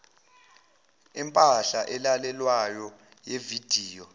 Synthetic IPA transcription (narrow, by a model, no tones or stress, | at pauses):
ɛmpʼaɬaʔɛlalɛlwajɔ | jevid̥ʱiːjɔ